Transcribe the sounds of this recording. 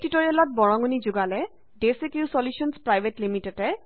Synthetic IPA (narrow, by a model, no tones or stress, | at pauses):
titɔɹiɛlɔt̚bɔɹɔŋunizuɡalɛ | desekjusɔljusɔnspɹajbetlimitetɛ